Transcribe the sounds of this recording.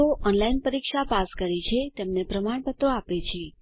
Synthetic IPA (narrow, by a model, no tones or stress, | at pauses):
oʔɔnlainpəɾikʃapaskəɾit͡ʃʰet̪emnepɾəmaɳ̃pət̪ɾoapet͡ʃʰe